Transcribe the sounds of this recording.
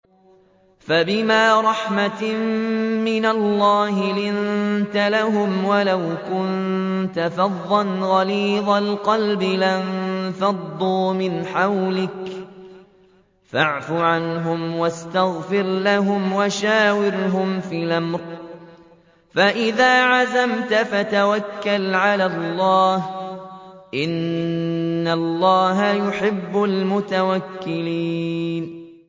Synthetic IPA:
fabɪmaːɾˤɑħmammɪnalˤːɑːɦɪlɪnt̪alaɦʊmwalawkʊnt̪afɑðˤːɑnɣɑliːðˤalqɑlbɪlant̪ɑd̪ˤːuːmɪnħawlɪk | faʕfʊʕanɦʊmwast̪aɣfɪɾlaɦʊmwaʃaːwɪɾɦʊmfiːlamɾ | faʔɪðaːʕazamt̪afat̪awakːalʕalalˤːɑːh | ʔɪnː | alˤːɑːɦajʊħɪbːʊlmʊt̪awakːɪliːn

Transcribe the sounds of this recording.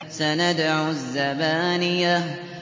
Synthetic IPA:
sanad̪aʕuzːabaːnɪjːa

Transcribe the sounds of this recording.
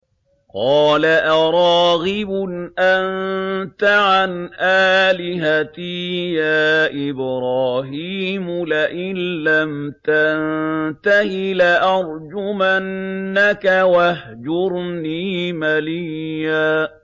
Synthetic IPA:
qɑːlaʔɑɾˤɑːɣɪbʊnʔant̪aʕanʔaːlɪɦat̪ijaːʔɪbɾɑːɦiːmʊlaʔɪlːamt̪annt̪ahɪlaʔɑɾˤd͡ʒʊmanːakawah | d͡ʒʊɾniːmaliaː

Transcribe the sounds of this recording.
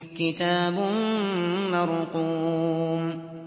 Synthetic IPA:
kɪt̪aːbʊː | ɑɾquːm

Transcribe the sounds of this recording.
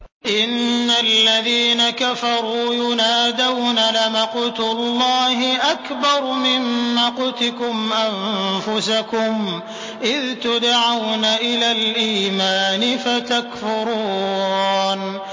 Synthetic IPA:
ʔɪnːalːaðiːnakafɑɾˤuːjʊnaːd̪awnalɪmɑqʊt̪ʊlːɑːhɪʔakbɑɾˤmɪmːaqʊt̪ɪkʊmʔanfʊsakʊm | ʔɪðt̪ʊd̪aʕawnaʔɪlaːlʔiːmaːnɪfat̪akfʊɾuː | n

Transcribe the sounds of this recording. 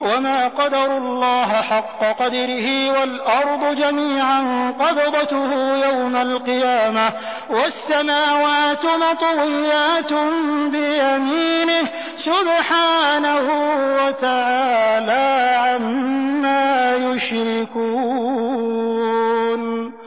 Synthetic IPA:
wamaːqɑd̪ɑɾʊlːɑːɦɪħɑqːɑqɑd̪ɾɪhɪwalʔɑɾˤd̪ˤʊd͡ʒamiːʕanqɑd̪d̪ˤɑt̪ʊhʊjawmalqɨjaːma | wasːamaːwaːt̪nɑt̪ˤwɪjːaːt̪bɪjamiːnɪh | sʊbħaːnahʊwat̪aʕaːlaːʕamːaːjʊʃɾɪkuː | n

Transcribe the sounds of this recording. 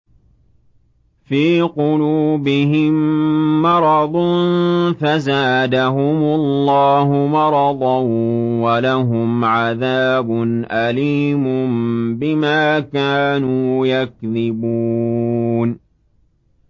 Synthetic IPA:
fiːqʊluːbɪɦɪmːɑɾˤɑd̪ˤnnfazaːd̪aɦʊmʊlːɑːɦʊmɑɾˤɑd̪ˤɑwwalaɦʊmʕaðaːbʊnʔaliːmʊmbɪmaːkaːnuːjakðɪbuː | n

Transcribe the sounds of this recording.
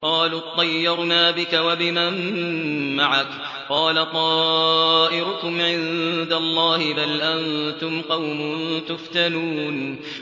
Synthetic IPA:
qɑːlʊːt̪ˤːɑjːɑɾˤnaːbɪkawabɪman | maʕak | qɑːlat̪ˤɑːʔɪɾʊkʊmʕɪnd̪alˤːɑːhɪbalʔant̪ʊmqɑwmʊnt̪ʊft̪anuːn

